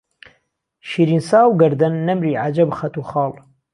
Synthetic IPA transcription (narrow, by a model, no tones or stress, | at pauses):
ʃiːɾiːnsaːwɡɐɾd̪ɐnːɐmɾiːʕad͡ʒɐbxɐt̪uːxɑːl